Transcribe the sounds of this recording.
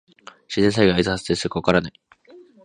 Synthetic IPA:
ɕizẽ̞s̬aiɡaizɨhazɨd̪esɨkokaɾanai

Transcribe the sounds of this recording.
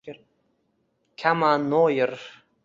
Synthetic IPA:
kʲʰamanojəɾ

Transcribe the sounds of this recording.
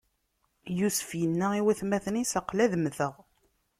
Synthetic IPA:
jusə̥fjənːæiwæθmæθənisəqlæðmθəʁ

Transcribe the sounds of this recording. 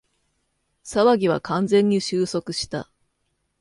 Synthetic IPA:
saβaɡʲiβ̞a̰kʰãnd͡zẽ̞ɲ̟ːiɕɨːso̞kɯ̟ɕi̥t̪a̰

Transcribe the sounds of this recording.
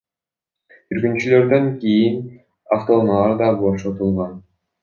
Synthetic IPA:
yɾɡynt͡ʃylø̞ɾd̪ø̞ŋkijin | aft̪onolˠɑɾd̪ɑboʃot̪ulˠʁon

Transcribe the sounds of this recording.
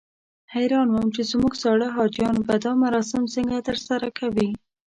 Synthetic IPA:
hajɾɑnwamt͡ʃezmuɡsɑɽəɦɑd͡ʒjɑnbad̪ɑmaɾɑs̬ɪmsəŋɡat̪əɾsaɾakʰawi

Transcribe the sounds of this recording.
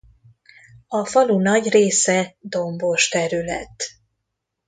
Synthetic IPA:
ɒfɒlunɒɟreːsɛd̪o̞mbo̞ʃt̪ɛɾylɛ̰t̪

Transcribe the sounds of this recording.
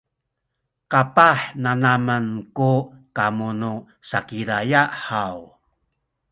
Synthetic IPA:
kapaħnanamənkukamunu | sakiɾajaʔħaw

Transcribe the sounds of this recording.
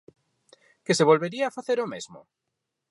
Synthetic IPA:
keseβolβeɾiaːfaθeɾomezmo̰

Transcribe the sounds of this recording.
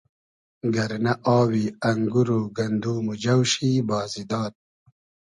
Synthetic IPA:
ɡɐɾnɐʔɑːwiːɐŋɡuɾuɡɐnd̪uːmud͡ʑɐwʃiːbɑːzid̪ɑːt̪̚

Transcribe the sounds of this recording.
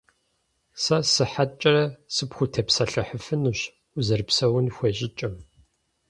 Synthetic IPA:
sɐsɨħat͡ʃʼɐɾɐsɨpxʷʊtʰɐpsɐɬɐħəfɨnuːɕ | ʊzɐrpsɐwʊnxʷeɕʼɪt͡ʃʼɐm

